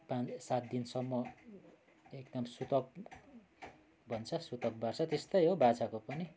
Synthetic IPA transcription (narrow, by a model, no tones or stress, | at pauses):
pãsat̪̚d̪insʌmːʌ | ekd̪ʌmsut̪ʌk̚ | bʱʌnt͡sʰʌsut̪ʌk̚bart͡sʰʌt̪est̪ʌjɦobat͡sakopʌni